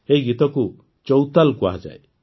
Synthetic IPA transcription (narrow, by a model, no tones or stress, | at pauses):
eɦiɡit̪ɔku | t͡ʃɔwt̪alkua̰ɦad͡ʒa̰j